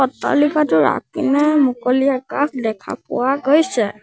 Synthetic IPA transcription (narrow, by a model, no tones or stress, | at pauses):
ɔtːa̰likatʊɹa̰kinɛmukoliakak̚dɛkʰa̰pʊ̰waɡojsɛ